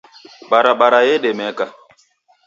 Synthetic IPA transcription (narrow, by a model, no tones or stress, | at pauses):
ɓaɾaɓaɾajeɗemɛka